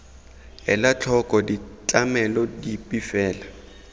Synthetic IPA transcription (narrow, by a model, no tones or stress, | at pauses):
ɛ̰lat͡ɬʰɔkʼɔdit͡ɬʼamɛlɔdipʼifɛːla